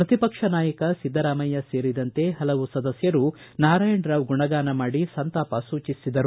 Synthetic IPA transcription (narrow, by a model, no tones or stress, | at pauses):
pɾɐt̪ipɐkʂɐnaːjɐkɐsid̪ːɐɾaːmɐjɐse̞ːɾid̪ɐnt̪e̞hɐlɐʋusɐd̪ɐsjɐɾunaːɾaːjɐɳɖɾaːʋɡuɳɐɡaːnɐmaːɽisɐnt̪aːpɐsuːt͡ʃisid̪ɐɾu